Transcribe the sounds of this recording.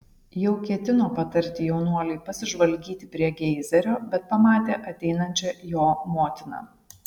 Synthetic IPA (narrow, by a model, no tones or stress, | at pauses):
jɛʊkʲiɛt̪ʲɪnoːpɐt̪ɐɾʲt̪ʲɪjɛʊnuɔlʲɛɪpɐsʲɪʒʋɐlʲɡʲiːt̪ʲɪpʲɾʲiɛɡʲɛɪzʲɛɾʲoːbʲɛt̪̚pɐmɑːt̪ʲeːʔɐt̪ʲɛɪnɐnʲt͡ʃʲɛjoːmoːt̪ʲɪnɑ̰ː